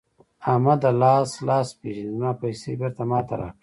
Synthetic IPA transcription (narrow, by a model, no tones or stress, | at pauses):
aːmad̪alɑːslɑːspeːʒinizmɑːpajsḛːbɪɾt̪amɑːt̪aɾa̰ːkɽi